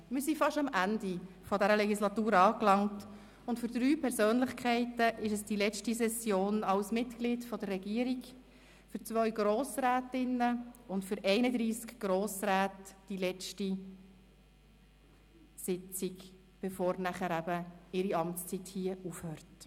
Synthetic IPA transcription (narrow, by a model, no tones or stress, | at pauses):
mɪɾsifɑʃɑmændi | fɔdæɾəlɛɡislɑtuːɾɑːklɑŋt | ʊntfʏɾd̪ɾyːpʰɛɾsøːnləχkʰχɛɪtəʔɪʃəsd̥ilɛt͡ʃtisɛsjoːnɑwsmɪtklitfɔdərːɛɡiːəɾiɡ | fʏɾt͡sʋœʏɡɾoːsɾæːtɪnːəʊntfʏɾɛɪnəd̪ɾiːskɡ̥ɾoːsɾæːtd̥ilɛt͡ʃti | sɪt͡siɡ | b̥ɛfoːɾnæχəɾæbəɪɾiɑmt͡st͡sithiəufhøːɾt